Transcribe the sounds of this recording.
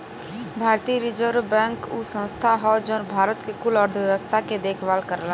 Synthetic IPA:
bʱaːɾt̪iɾɪd͡ʒəɾbɛ̃ːŋkusə̃nst̪ʰaɦɔd͡ʒɔːnbʱaːɾət̪kekʊlɔɾd̪ʱəʋjɛʋəst̪ʰaked̪eːkʰʋaːlkəɾla

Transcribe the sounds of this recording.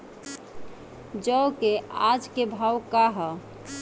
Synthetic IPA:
d͡ʒəwkead͡ʒkebʱawkaɦə

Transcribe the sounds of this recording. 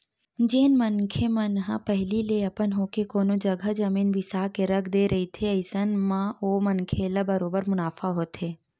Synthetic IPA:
d͡ʒeːnmənkʰemənɦa̰pɛɦlileɐpənɦoːkekoːnod͡ʒɐɡʱəd͡ʒɐmiːnbʱɪsaːkeɾɐkʰd̪eːɾʔɐɦit̪ʰeɐɪsənmãoːmənkʰelabɐɾoːbəɾmʊnaːfaɦoːt̪eː

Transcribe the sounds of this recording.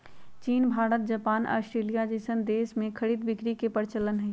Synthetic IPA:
t͡ʃiːnbʱaːɾət̪̚d͡ʒɐpaːnʔa̰ːsʈɾeːlijad͡ʒesənd̪eːsmẽkʰɐɽiːd̪bɪkɾikepəɾt͡ʃələnɦɛ

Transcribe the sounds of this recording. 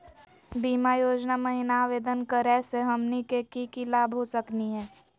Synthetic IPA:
biːmajoːd͡ʒnamɐɦɪnaːʋeːd̪ənkəɾɛseɦɐmnikekikilaːbʱɦosəkniɦɛː

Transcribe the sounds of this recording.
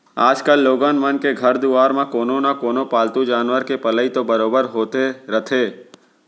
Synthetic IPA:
aːd͡ʒkəlːoːɡaːnmɐnkeɡʱɐɾd̪uaːɾmãkoːnonakoːnopaːlt̪ũd͡ʒaːnʋəɾkepɐləit̪obɐɾoːbəɾɦoːt̪eɾɐt̪ʰeː

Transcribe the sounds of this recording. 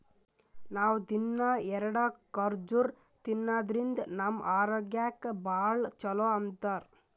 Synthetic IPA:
naːwd̪inːɐɛɾɐɽɐkɐɾd͡ʒuɾ | t̪inːaːd̪ɾind̪nɐmʔaːɾoːɡjaːkːbaːɭt͡ʃɐloɐnt̪ɐɾ

